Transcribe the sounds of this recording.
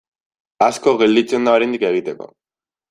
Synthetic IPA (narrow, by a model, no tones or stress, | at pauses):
askoɣeld̪it͡siend̪aoɾend̪ikeɣ̞it̪eko̞̰